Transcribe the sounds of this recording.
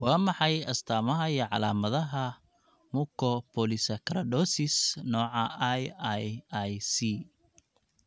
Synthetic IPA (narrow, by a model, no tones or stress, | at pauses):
wɑːmɑħɑjɐst̪ʰaːmɐɦɐiɔʕɑ̰laːmɐðɐɦɐ | mukʰɔpʰɔlɪsɐkʰɐɾɐɖɔːsɪsnɔːʕɑjjajsi